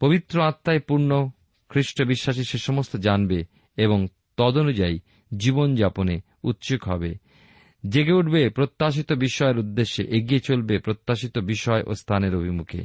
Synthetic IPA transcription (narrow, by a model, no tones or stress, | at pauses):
pobit̪ːɾoat̪ːaepuɾno | kʰɾiʃʈobiʃːaʃ̬iʃeʃɔmost̪ʰod͡ʑanbe | eβoŋ | t̪ɔd̪onud͡ʑai | d͡ʑibond͡ʑapone | ut̪ːʃukɦɔbe | d͡ʑeɡeuʈbepɾot̪ːaʃ̬it̪obiʃɔeɾud̪ːeʃːeʔeɡiet͡ɕolbepɾot̪ːaʃit̪obiʃɔeʔo̰st̪ʰaneɾobʱimukʰḛ